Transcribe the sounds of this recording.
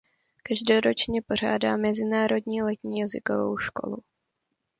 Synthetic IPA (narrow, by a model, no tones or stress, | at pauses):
kaʒdoɾo̞t͡ʃɲɛpo̞r̝a̰ːdaːmɛzɪnaːɾo̞dɲiːlɛt̪ɲiːjazɪkovo̰wʃko̞̰lu